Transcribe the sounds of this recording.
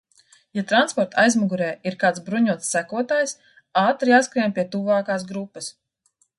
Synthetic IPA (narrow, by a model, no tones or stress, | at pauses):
jat̪ɾanspɔɾt̪ajzmuɡuɾɛːiɾkaːt̪sbɾuɲuɔt̪sːækuɔt̪aːjs | aːt̪ɾjaːskɾiɛmpʲiɛt̪uvaːkaːs̬ɡɾupːɐs